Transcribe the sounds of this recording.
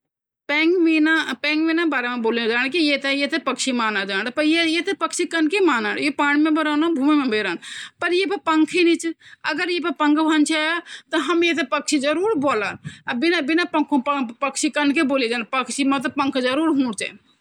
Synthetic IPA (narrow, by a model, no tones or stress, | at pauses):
peːŋɡminapẽːŋɡʋinabaːɾemẽboːlid͡ʒaːɽ̃kijet̪ejet̪epɐkʃimaːnad͡ʒaːɽpɐɾjejet̪epɐkʃikɐnkemaːna̰ːɽjepaːɽ̃imẽbeɾaːnabʱuːmimẽbeːɾaːnpɐɾjepɐpɐŋkʰinĩt͡ʃʰɐɡəɾjep̬ɐpɐ̃ŋɡbʱant͡ʃʰaːat̪ɐɦɐmjet̪̬epɐkt͡ʃʰid͡ʒɐɾuːɾboːlaːnbɪnabɪnapɐkʰppɐkʃʰikɐnkeboːlid͡ʒaːnpɐkʃimɐ̃t̪̬ɐpɐ̃ŋkʰd͡ʒɐɾuːɾɦũːɽt͡ʃḛ